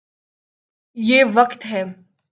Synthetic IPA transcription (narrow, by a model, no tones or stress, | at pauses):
jeːʋɐkt̪ɦɛː